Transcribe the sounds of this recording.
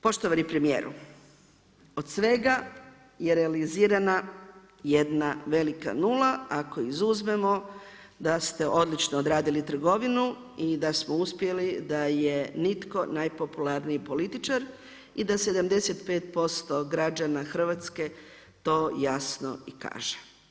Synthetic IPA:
po̞ʃt̪oʋanipɾemijḛːɾṵ | o̞d̪sʋe̞ɡa | je̞ɾe̞aliziːɾana | jed̪naʋe̞lika̰nulˠaako̞izuzme̞mo̞ | d̪ast̪e̞ʔo̞d̪lit͡ʃnoːd̪ɾaːd̪ilit̪r̩ɡo̞ʋinu | id̪asmouspje̞lid̪aje̞nit̪ko̞najpo̞pulaɾniipo̞lit̪it͡ʃaɾ | id̪ase̞d̪amd̪e̞set̪pe̞ːt̪po̞st̪o̞ɡɾad͡ʒanaxr̩ʋat̪ske̞ | t̪o̞ːjasno̰ika̰ːʒe̥

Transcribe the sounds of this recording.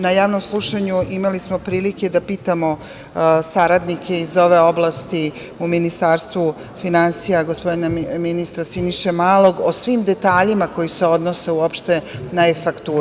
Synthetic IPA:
najaːʋno̞mslˠuʃaɲuʔimalismo̞pɾiːlike̞d̪apiːt̪amo̞ | saɾad̪nikʰe̞izo̞ʋe̞o̞blast̪i | uminist̪aːɾst̪ʋu | finansijaɡospo̞d̪inaminist̪ɾasiniʃemaːlo̞ɡosʋimd̪e̞t̪aːʎimako̞jiseo̞d̪nose̞uopʃt̪e̞naefakt̪u

